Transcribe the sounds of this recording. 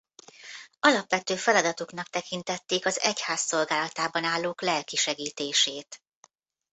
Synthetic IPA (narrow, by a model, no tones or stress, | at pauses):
ɒlɒpʋɛt̪øːfɛlɒd̪ɒt̪oknɒk̚t̪ɛkint̪ɛt̪ːeːkɒzɛchaːsːo̞lɡaːlɒt̪aːbɒnaːlːoːklɛlkiʃɛɡiːt̪eːʃeːt̪